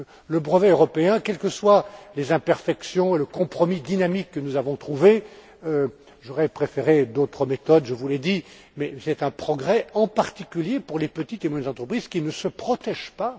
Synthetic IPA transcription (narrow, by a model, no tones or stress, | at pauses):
ləbʁəvɛøʁɔpeɛ̃kʲɛlkəswalezɛ̃pɛʁfɛksjɔ̃eləkɔ̃pχɔmid̪inamikːənuzavɔ̃t̪χuve | ø | ʒɔʁɛpχefeʁed̪ot̪χəmet̪ɔd̪ʒəvulɛd̪i | mɛsɛt̪ɛ̃pχɔɡʁɛɑ̃paʁt̪ikʲyljepuʁlepət̪it̪emwɛnzɑ̃t̪χəpχizkʲinəsəpχɔt̪ɛʒpa